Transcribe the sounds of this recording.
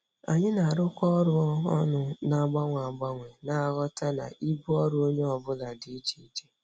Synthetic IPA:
a̰˨ɲɪ˦na˨ɾʊ˦kʷɔ˦ɾʊ˦ɔ̰˦nʊ˦na˨ɡ͡ba˦ŋʷ˨a˨ɡ͡ba˦ŋʷe˨na˨a˨ɣɔ˦ta˦na̰˨ʔi˦bu˦ɔ˦ɾʊ˦o˦ɲe˦ɔ˨bʊ˦la˨di˨i˦d͡ʒi˦d͡ʒe˦

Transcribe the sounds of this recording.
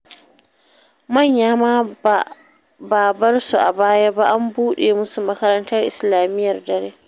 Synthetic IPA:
mɐ˦˨ɲjaː˦maː˦ | baː˨bɐ˦rsu˨ʔa̰˨baː˦ja˦ba˦ʔa˦mbuː˦ɗeː˨mʊ˦su˨mɐ˦kɐ˦ɾɐ˦ntɐ˦rʔɪ̰˨slaː˨mɪ˦jːɐ˨rdɐ˨ɾeː˦

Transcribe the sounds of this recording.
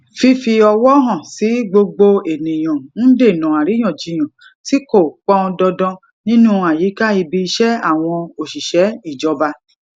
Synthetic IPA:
fi˧fi˧ɔ˧wɔ˦ɦɔ̃˦˨si˨˦ɡ͡bo˧ɡ͡bo˧e˨nĩ˨j̃ɔ̃˨n̩˦de˦˨nɔ̃˨a˨ɾi˨˦j̃ɔ̃˦˨d͡ʒĩ˧˨j̃ɔ̃˨ | ti˨˦ko˦˨k͡pɔ̃˦˧dɔ˧dɔ̃˧ | nĩ˦nũ˦˧a˨ji˨˦ka˦i˧bi˧i˧ʃɛ˦a˦˨w̃ɔ̃˧o˨ʃi˨ʃɛ˨˦i˦˨d͡ʒɔ˧ba˧

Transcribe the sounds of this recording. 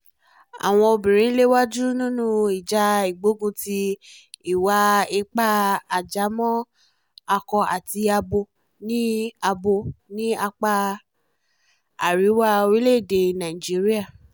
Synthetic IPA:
a̰˨w̃ɔ̃˧o˧bĩ˨ɾ̃ĩ˨˦le˦wa˦d͡ʒu˦nũ˦nũ˦i˨d͡ʒa˧i˨ɡ͡bo˨˦ɡũ˧ti˧i˨wa˧i˧k͡pa˦a˨d͡ʒa˨˦mɔ̃˦ | a˧kɔ˧a˨ti˧a˧bo˧ | nĩ˦a˧bo˧nĩ˦a˧k͡pa˧ | a̰˨ɾi˨˦wa˦o˧wi˦le˦˨de˧˨nã˨i˨d͡ʒi˨˦ɾi˦a˦˨

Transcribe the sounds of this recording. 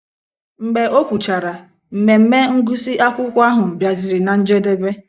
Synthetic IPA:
ŋ͡m̩˨ɡ͡be˨ʔo˦kʷu˨t͡ʃa˨ɾa˨ | m̩˨me˨m̩˦me˦ŋ̩˦ɡu˦si˦ʔa˦kʷʊ˦kʷa˦ɦʊ˨m̩˨bja˨zɪ˨ɾi˨na˨n̩˦d͡ʒe˦de˦be˦

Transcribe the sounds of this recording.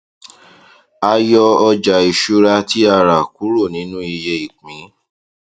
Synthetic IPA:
a˧jɔ˧ɔ˧d͡ʒa˨i˨ʃu˦ɾa˧ti˦a˦˨ɾa˨ku˨˦ɾo˦˨nĩ˨˦nũ˦i˧je˧i˨k͡pĩ˨˦

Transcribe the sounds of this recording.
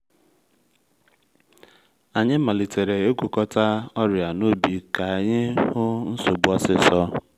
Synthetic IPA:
a˨ɲɪ˦ma˨li˨te˨ɾe˨e˦kʷu˨kɔ˦ta˦ɔ˦ɾja˨no˦bi˨ka˨ɲɪ˦hʊ˦n̩˦so˨bu˦ɔ˦sɪ˦sɔ˦

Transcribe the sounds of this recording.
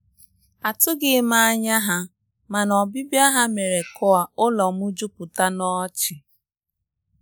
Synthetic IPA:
a˨tʊ˦ɡɪ˦ma˦a˦ɲa˦ɦa˦ | ma˨nɔ˨bi˦bja˦ɦa˦me˨ɾe˨kʊ˦a˨ʊ˦lɔ˨m˦ʊ˦d͡ʒʊ˦pʊ˨ta˦nɔ˦t͡ʃɪ˨

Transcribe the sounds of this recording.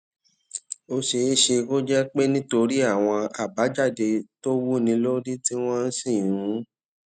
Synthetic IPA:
o˧ʃe˧˦ʃe˧ɡo˦d͡ʒɛ˦k͡pe˦nĩ˦to˧ɾi˦a˦˨w̃ɔ̃˧a˨ba˨˦d͡ʒa˦˨de˧to˦wu˦nĩ˧lo˦ɾi˦ti˦w̃ɔ̃˦n̩˦sĩ˦˨ũ˨˦

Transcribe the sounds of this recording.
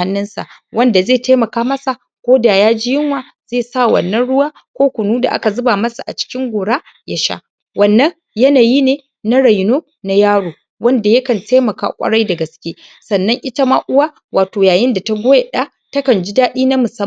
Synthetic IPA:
a˦nːɪ˦nsa̰˨ʔwɐ˦nda˨zeː˦˨taː˦mɐ˨kaː˦mɐ˦sa˨ | kʷoː˦daː˨jaː˦d͡ʒɪ˦jɪ˦ŋwaː˨ | z̥eː˦˨saː˦˨wɐ̰˨nːɐ˦nɽʊ˦waː˦ | kʷoː˦kʷʊ˨nuː˦da̰˨ʔa̰˦ka˨zʊ˦ba˨mɐ˦sa˨ʔa̰˨t͡ʃɪ̥˦kʲɪ˦ŋɡʷoː˨ɽaː˦ | ja˦ʃa̰˦ | wɐ˨nːɐ˦ŋ | jɐ˦naː˨ji˦neː˨ | na˦ɽa˨jnoː˦ | na˦jaː˦ɽoː˨ | wɐ˦nda˨jɐ˦kɐ˨ntʰeː˦mɐ˨ka̰ː˦˨kʷʼɐ̰˦ɽa˦jdɐ˨ɡɐ˨skʲeː˦ | sɐ˨nːɐ˦ŋʔɪ˦tɐ˦ma˦ʔʊ˦waː˦ | wʔaː˨toː˨jaː˨jɪ˦nda˨ta˦ɡʷoː˦ja˨ɗaː˦ | tɐ˦kɐ˨nd͡ʒi˦daː˦ɗiː˦na˦mʊ˨sɐ˦

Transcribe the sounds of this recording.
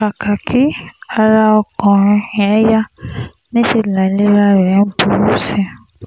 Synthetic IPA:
a˨ka˨kʰi˦a˧ɾa˧ɔ˧kɔ̃˨ɾ̃ĩ˧ɛ˨˦ja˦ | nĩ˦ʃe˧˨la˨le˦ɾa˦˧ɾɛ˨˦bu˦ɾu˦sɛ˦

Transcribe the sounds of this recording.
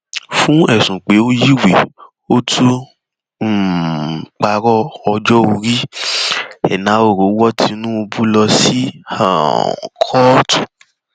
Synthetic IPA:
fũ˦ɛ˦˨sũ˨k͡pe˨˦o˦ji˦we˨ | o˦tʰu˦˨ | k͡pa˧ɾɔ˦ɔ˧d͡ʒɔ˦o˧ɾi˦ | ɛ̰˨nã˨˦o˦˨ɾo˨˦wɔ˦tʰi˧nũ˦o˧bu˦lɔ˧si˦a̰˨kʰɔ˦tu̥˨

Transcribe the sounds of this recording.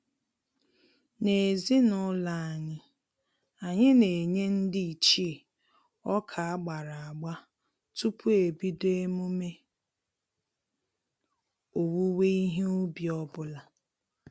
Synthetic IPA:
ne˨zi˦nʊ˦la˦a˨ɲɪ˦ | a˨ɲɪ˦ne˨ɲe˦n̩˦dɪ˦i˨t͡ʃi˦e˨ | ɔ˦kʰa˨a˦ɡ͡ba˨ɾa˨a˨ɡ͡ba˦ | tu˦pʰu˦e˨bi˦de˦mu˦me˦ | o˨wu˦we˦i˦ɦe˦u˦bi˨ɔ˦bʊ˦la˨

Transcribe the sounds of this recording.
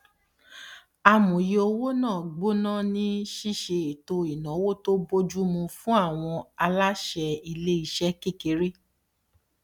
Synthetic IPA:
a˧mũ˨je˧o˧wo˦nãː˦˨ɡ͡bo˦nã˦˨nĩ˦ʃi˦˨ʃe˧e˨to˧i˨nã˨˦wo˦to˦bo˦d͡ʒu˦mũ˧fũ˦a˦˨w̃ɔ̃˧a˧la˦ʃɛ˧i˦˧le˦i˦˧˦ʃɛ˦ke˦˨ke˨˦ɾe˦

